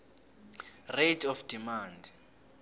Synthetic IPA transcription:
retʰɔfd̥imaːnd

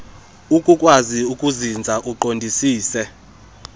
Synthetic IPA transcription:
ukʼukʼwaziukʼuzind͡zʱaʔuǃondʱisiːsɛ

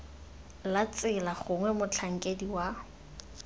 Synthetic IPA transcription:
lat͡sɪlaχʊŋwɛmʊt͡ɬʰaŋ̩kʼediwa

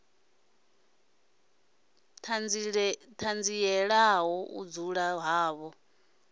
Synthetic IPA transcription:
tʰand͡ziɛɺaɦɔʔṵd͡zuɺaɦaːβɔ

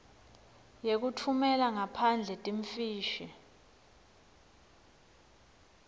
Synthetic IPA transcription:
jek̬utʰumɛlaŋapʰand͡ɮʱɛtʼiɱfiːʃi

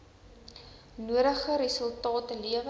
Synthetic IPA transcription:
nuəɾəχəɾisəlˠtɑːtəliəv

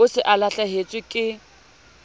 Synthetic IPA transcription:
ʊsɪʔalaɬʼaɦet͡sʼwɪkʼɪ

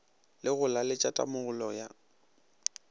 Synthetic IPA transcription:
lɪɣʊlalɪt͡ʃʼatʼa̰mʊɣʊlɔja

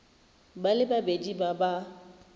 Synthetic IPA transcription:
balɪbabed͡ʒibaba

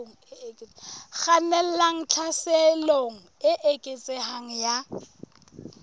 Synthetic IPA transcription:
ɣanɛl̩laŋ̩t͡ɬʰasɛloŋ̩ɪʔekʼet͡sʼɪhaŋ̩ja

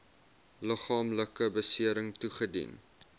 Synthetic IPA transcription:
ləχɑːmləkəbəsiəɾəŋtuχədḭn

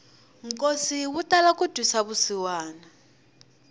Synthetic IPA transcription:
ŋ̩kʼosiwutʼalakʼud̥ʱwisaβusiwaːna

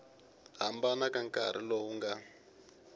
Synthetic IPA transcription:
ɦambanakaŋkaɾ̤ḭlɔuŋɡa

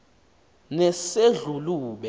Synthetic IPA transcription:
nɛseɮuluːɓɛ

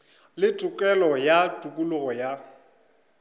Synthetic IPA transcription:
lɪtʼʊkʼɛlɔjatʼukʼulʊɣɔja

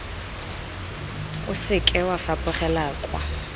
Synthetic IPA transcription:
ʊ̰sɪkʼɛwafapʼʊχɛlaːkʼwa̰

